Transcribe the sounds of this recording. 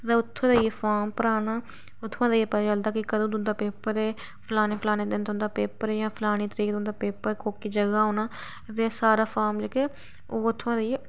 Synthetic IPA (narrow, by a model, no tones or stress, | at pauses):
t̪ãːʊt̪ʰːõːd̪aiefʰaːmpəɾaːnaː | ʊt̪ʰːãːd̪aiepɛːd͡ʒəld̪aːkɪkəd̪õːd̪ʊnd̪aːpeːpəɾeː | pʰlaːnẽːpʰlaːnẽːd̪ɪnt̪ʊ̃nd̪aːpeːpəɾeːjãːpʰɪlaːñiːt̪əɾiːkd̪ʊ̃nd̪aːpeːpəɾkoːkiːd͡ʒəɡaːɦõːnaː | t̪eːsaːɾaːpʰaːɾmd͡ʒəkeː | oːʊt̪ʰːãːd̪ie